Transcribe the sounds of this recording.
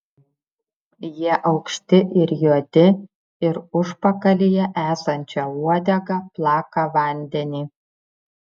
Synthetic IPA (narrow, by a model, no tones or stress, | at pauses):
jiɛʔɐʊkʃʲt̪ʲɪʔɪɾjuɔd̪ʲɪ | ɪɾʊʃpɐkɐlʲɪjɛʔæːsɐnʲt͡ʃʲɛuɔd̪ʲɛɡɐplˠɑːkɐʋɐˑnʲd̪ʲɛnʲiː